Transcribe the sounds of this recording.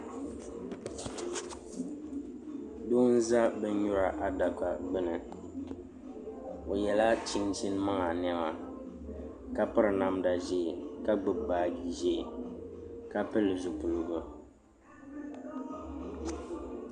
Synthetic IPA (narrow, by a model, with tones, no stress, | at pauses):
du˦n̩˦za˦bɛ˦ɲʊ˦ɾa˨ʔa˨da˨ka˨ɡ͡bɨ˦nɨ˨ | o˨jɛ˨la˦t͡ʃi˦ŋsi˦n˦ma˦ŋa˨n˨ɛ˦ma˨ | ka˦pɨ˦ɾɨ˨na˨mda˨ʒi˦˨ka˦ɡ͡bɨ˦ɡ͡baː˨ɡi˨ʒe˦˨ | ka˦pɨ˦lɨ˨zu˨pʊ˨lɨ˨ɡʊ˦